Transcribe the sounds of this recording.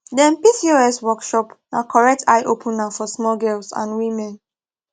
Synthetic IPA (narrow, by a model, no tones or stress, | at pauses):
dɛ̃npisioɛswɔkʃɔpnakʰɔɹɛk̚tʰaɪʔopʰũnafɔsmɔlɡɛlsã̰nwimɛ̃n